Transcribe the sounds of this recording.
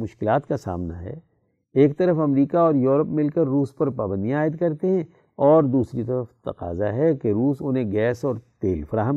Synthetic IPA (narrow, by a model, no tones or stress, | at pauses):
mʊʃkɪlaːt̪kasa̰ːmna̰ɦɛ̰ː | eːkt̪ɐɾəfɐmɾiːkaɔːɾjuːɾəpmɪlkəɾːuːspɐɾpaːbə̃nd̪ijãaːɪd̪kɐɾt̪eɦɛ̃ | ɔːɾd̪uːsɾit̪ɐɾəft̪ɐ̰qa̰ːzaɦɛkeɾuːsʊnɦẽɡɛːsɔːɾt̪eːlfɐɾaːɦəm